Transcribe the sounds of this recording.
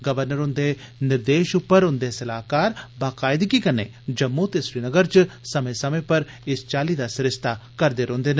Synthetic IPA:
ɡəʋəɾnəɾʊnd̪enɪɾd̪eːʃʊpːəɾʊnd̪esɐlaːkaːɾbaːkaːɪd̪kikəneː | d͡ʒəmːut̪eʃɾiːnəɡəɾt͡ʃsəmẽsəmẽːpəɾ | ɪst͡ʃaːliːd̪aːsɪɾɪst̪akəɾd̪eːɾõːnd̪eːn

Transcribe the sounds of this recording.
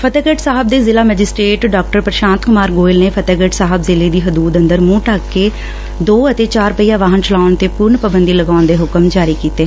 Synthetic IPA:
pʰət̪eːɡəːʈsaːɦəb̚d̪eːzɪlaːmɛːd͡ʒɪsʈɾeːʈɖaːk̚ʈəɾpəɾʃãːnt̪kʊmaːɾɡoːɪlneːpʰət̪eːɡəːʈsaːɦəbzɪleːd̪iːɦəd̪uːd̪ə̃nd̪əɾmũːʈaːkːeː | d̪oːət̪eːt͡ʃaːɾpəiːjaːʋaːɦənt͡ʃəlaːʊɳt̪eːpʊɾɳpəbənd̪iːləɡaːʊnd̪eːɦʊkəmd͡ʒaːɾiːkiːt̪eː

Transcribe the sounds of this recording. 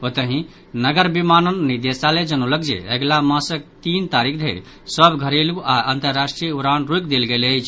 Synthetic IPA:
ot̪əɦĩ | nəɡəɾbimanənːid̪esaled͡ʒənulək̚d͡ʒḛəɡlamãsək̚t̪int̪aɾikʰd̪ʱeɾ | səbɡʱəɾeluaənt̪əɾːasʈɾijuɾanɾukd̪elɡelət͡ʃʰ

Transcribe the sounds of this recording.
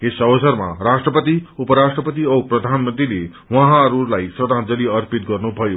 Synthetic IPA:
esʌwsʌɾma̰ɾaʂʈrəpət̪iupəɾaʂʈrəpət̪̬iʌwpɾʌd̪ʱanmə̃nt̪ɾile | ʋʌɦãɾuɾlajsɾəd̪ãd͡zʌliʌɾpit̪̚ɡʌrnubʱʌjo

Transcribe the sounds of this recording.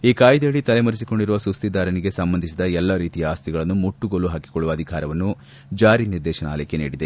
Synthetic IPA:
iːkaːjd̪eɭit̪ɐlemɐɾis̬iko̞ɳɖiɾuʋɐsust̪id̪ʱaːɾɐniɡe̞sɐmbɐnd̪ʱisid̪ɐɛlːɐɾiːt̪ijɐaːst̪iɡɐɭɐnːumuʈːuɡoːluɦaːki̥koɭːuʋɐːd̪ʱikaːɾɐʋɐnːu | d͡ʒaːɾiniɾd̪ɛːʃɐna̰ːlɐjkːenḭːɽid̪e

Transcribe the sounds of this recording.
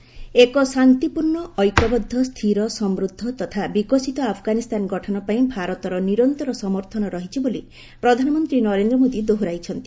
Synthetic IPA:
ekɔsant̪ipuɾɳɔɔjkɔbɔd̪ʱːɔst̪ʰiɾɔsɔmɾud̪ʱːɔt̪ɔt̪ʰabikɔsit̪ɔapʰɔɡanist̪ʰanɔɡɔʈʰɔnɔpaĩbʱaɾɔt̪ɔɾɔniɾɔnt̪ɔɾɔsɔmɔɾt̪ʰɔnɔɾɔɦit͡ʃʰiboli | pɾɔd̪ʱanɔmɔnt̪ɾinɔɾend̪ɾɔmod̪id̪oɦuɾajt͡ʃʰɔnt̪i̥

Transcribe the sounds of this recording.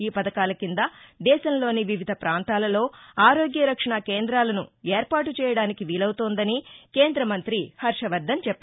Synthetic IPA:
iːpɐd̪ɐkaːlɐkind̪ɐd̪ɛːʃɐmlo̞ːniʋiʋid̪ʱɐpɾaːnt̪aːlɐlo̞ːaːɾo̞ːɡjɐɾɐkʂɐɳɐkeːnd̪ɾaːlɐnṵeːɾpaːʈut͡ʃɛːjɐɽaːnikiʋiːlɐwut̪oːnd̪ɐnike̞ːnd̪ɾɐmɐnt̪ɾihɐɾʂɐʋɐɾd̪ɐmt͡ʃɛpːɐ

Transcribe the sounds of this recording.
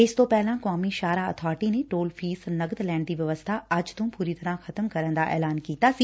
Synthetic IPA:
ɪst̪opɛɦlãkaːmiʃaːɾaɐ̰t̪ʰɔːɾʈinẽʈoːlfʰiːsnɐɡəd̪lɛ̃ːɳɖd̪iːʋjɐʋəst̪ʰaɐd͡ʒt̪õːpuːɾit̪ɐɾãxɐt̪əmkɐɾə̃ñd̪aʔɛ̰ːlaːnkiːt̪asiː

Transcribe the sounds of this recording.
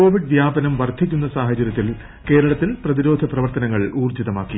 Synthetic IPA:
ko̞ːʋiɖʋjaːbɐnɐmʋɐrd̪ʱikʲːunːɐsaːɦɐt͡ɕːɐɾjɐt̪ːil | ke̞ːɾɐɭɐt̪ːilprɐðiɾo̞ːd̪ʱɐprɐʋɐrt̪ɐnɐŋːɐɭuːrd͡ʑiðɐmaːkːi

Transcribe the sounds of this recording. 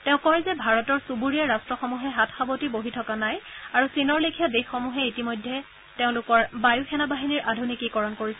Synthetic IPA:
teʊ̃kɔɹɛzɛbʱaɹɔtɔɹsubuɹiaɹastɹɔxɔmuɦɛɦatʰxabotiboɦitʰɔkanajaɹusinɔɹlekʰijɔdexːɔmuɦɛitimɔjdʱːɛ | teʊ̃lʊkɔɹbajuxʰɛnabaɦiniɹʔadʱunikikɔɹɔnkoɹisɛ

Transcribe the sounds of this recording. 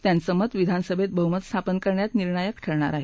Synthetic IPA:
t̪jansəmət̪ʋid̪ʱansəbʱet̪̚bəɦumət̪st̪ʰapənkəɾɳjat̪niɾɳajəkʈʰəɭɳaɾaɦe

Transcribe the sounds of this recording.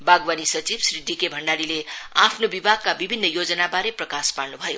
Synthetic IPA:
baɡwanisʌt͡sibsrid̪ːikebʱʌɳɖaɾileapʰnobibʱaɡ̚kabibʱinːʌjod͡zʌnabaɾeprʌkaspaɽnubʱʌjo

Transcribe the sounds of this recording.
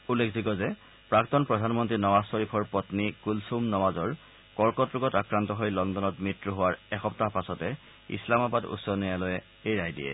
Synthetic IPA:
ulːekʰzʱikɔzɛ | pɹaktɔnpɹɔdʱanmɔntɹinɔwassɔɹipʰɔɹpɔtnikulsumnɔmazɔɹ | kɔɹkɔtɹuɡɔtakɹantɔɦojlɔndɔnɔtmitɹuɦʊwaɹɛxɔp̚taɦpasɔtɛ | ḭslamabadṵtsɔnejalɔjɛ | ejɹajdḭjɛ̰

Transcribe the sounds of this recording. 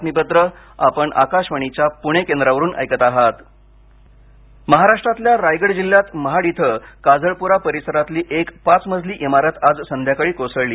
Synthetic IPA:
t̪nibət̪ɾə | apəɳʔa̰kaʂʋəɳ̃it͡ɕapuɽ̃ekend̪ɾaʋəɾuːnʔa̰jkət̪aɦat̪ | məɦaɾaʂʈɾat̪ljaɾajɡəɽd͡ʑiljat̪məɦaɽit̪ʰəkad͡zəɭpuɾapəɾisəɾat̪liːʔekpat͡sməd͡zʱliːʔimaɾət̪ad͡zsənd̪ʱjakəɭiːkosəɭliː

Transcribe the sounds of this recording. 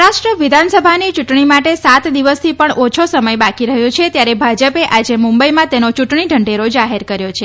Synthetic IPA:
ɾaʃʈɾəʋid̪ʱansəbʱanit͡ʃuʈɳimaʈesat̪d̪iʋəst̪ʰipəɳʔot͡ʃʰosəməjbakiɾəɦjõt͡ʃʰet̪jaɾebʱad͡ʒəpeʔad͡ʒemumbəjmãt̪enot͡ʃuʈɳiɖʱəɳɖeɾod͡ʒaɦeɾkəɾjot͡ʃʰe

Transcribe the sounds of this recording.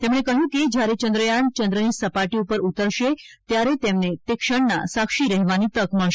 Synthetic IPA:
t̪emɽ̃ẽkəɦjũkid͡ʑjaɾet͡ɕənd̪ɾəjant͡ɕənd̪ɾəniːsəpaʈiupəɾut̪əɾʃet̪jaɾet̪emnet̪ekʂəɳnasakʂiːɾɛɦʋaniːt̪əkməɭʃ

